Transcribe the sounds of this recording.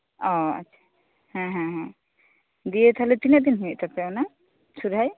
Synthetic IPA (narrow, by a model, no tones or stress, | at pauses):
ɔa̰tːʃʰḁ | hɛ̃ɦɛ̃ɦɛ̃ | d̪ijet̪ʰaɦlet̪inad̪inɦujeʔt̪ʰapɛwna | sʰuɾʱaj